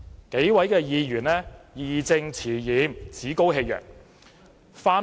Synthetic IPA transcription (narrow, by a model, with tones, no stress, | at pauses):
ke˨˥jwɐ˨˥jkɛː˧jiː˨˧jyː˨˩nlɛː˥jiː˨t͡sɪ˧ŋt͡sʰiː˨˩jiː˨˥mt͡sʰiː˨˥ko˥wɦe˧jjœ̰ː˨˩ŋ̚ | faː˧